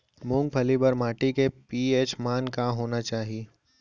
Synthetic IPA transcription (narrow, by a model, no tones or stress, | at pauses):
mʊ̃ŋɡ̚pʰɐlibɐɾmaːʈikepiːeːt͡ʃmaːnkaɦoːnat͡ʃaːɦieː